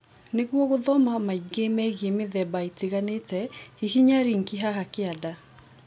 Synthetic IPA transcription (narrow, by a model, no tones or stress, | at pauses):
neɣwɔɣoðɔmamaiɡemɛɣemeðɛbaiteɣanetɛhihiɲaɾiŋkiɦaɦakɪada